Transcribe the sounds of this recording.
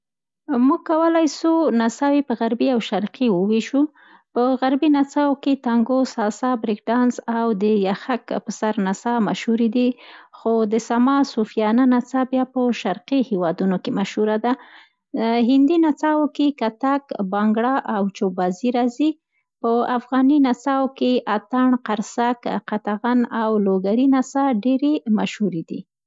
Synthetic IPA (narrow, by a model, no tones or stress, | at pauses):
muɡ̚kːawəlajsunasɑwepəɣaɾbiawʃaɾqiwəweʃu | pəɣaɾbinat͡sɑwoket̪aŋɡosɑsɑbɾɪk̚ɖɑnzawd̪əjaxakpəsaɾnasɑmaʃhuɾid̪ixod̪əsamɑsufijɑnanat͡sabjɑpəʃaɾqihewɑd̪unokemaʃhuɾad̪a | ɦɪnd̪inat͡sɑwokekat̪akbɑŋɡɽɑʔawt͡ʃobɑziɾɑzi | pəafɣɑninat͡sɑwkeʔat̪aɳqaɾsakqat̪aɣanawloɡaɾinasɑɖeɾemaʃhuɾed̪ḭ